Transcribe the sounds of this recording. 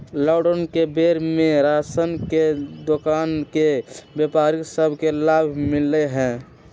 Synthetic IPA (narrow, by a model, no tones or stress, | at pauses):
lɔɖənkebeɾmẽɾasənked̪okaːnkebjepaːɾiksəbʱkelaːbʱmɪleɦɛ̃ː